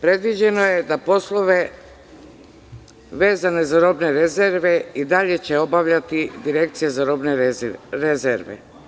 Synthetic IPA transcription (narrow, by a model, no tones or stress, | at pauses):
pɾe̞d̪ʋid͡ʑe̞no̞je̞d̪apo̞slˠoʋe̞ | ʋe̞ːzane̞zaɾobne̞ɾezeɾʋeid̪aʎe̞t͡ɕe̞o̞baʋʎat̪id̪iɾe̞k̚t̪sije̞zaɾo̞bneɾezeɾʋḛ